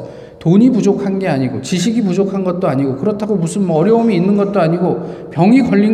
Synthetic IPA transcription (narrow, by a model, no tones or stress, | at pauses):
toɲipud͡ʑokʰanɡe̞aɲiɡot͡ɕiɕ̬ʰiɡipud͡ʑokʰanɡʌt̚t͈oaɲiɡokɯɾʌtʰaɡomusʰɯnmʌʌɾjʌomiːnːɯnɡʌt̚t͈oaɲiɡopjʌŋiɡʌʎːi